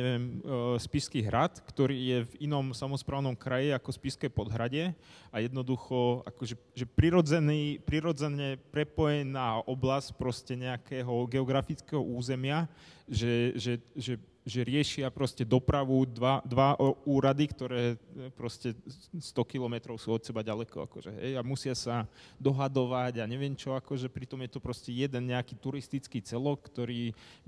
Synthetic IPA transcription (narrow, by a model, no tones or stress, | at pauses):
ɛʋɪɛmspiskiɦɾat̪kt̪ɔɾiːjɛvinɔmsamɔspɾaːʊnɔmkɾajiakɔspiskɛjpɔd̪ɦɾaɟɪɛajɛd̪nɔd̪uxɔa̰kɔʒɛʒɛpɾiɾɔd͡zɛniːpɾiɾɔd͡zɛnɛpɾɛpɔjɛnaːʔɔblasc̚pɾɔscɛɲɛakɛːɦɔɡɛɔɡɾafit͡skɛɦɔʔuːzɛmɪaʒɛʒɛʒɛ | ʒɛɾɪɛʃɪapɾɔscɛd̪ɔpɾaʋud̪ʋad̪ʋaʔuːɾad̪ikt̪ɔɾɛːpɾɔscɛst̪ɔkilɔmɛt̪ɾɔʊsuːɔt̪sɛbaɟalɛkɔ̰a̰kɔʒɛ̰ɦɛ̰jamusɪasad̪ɔɦad̪ɔʋaɟaɲɛʋɪɛmt͡ʃɔakɔʒɛpɾit̪ɔmjɛt̪ɔpɾɔscɛjɛd̪ɛnɲɛakiːt̪uɾist̪it͡skiːt͡sɛlɔkːt̪ɔɾiː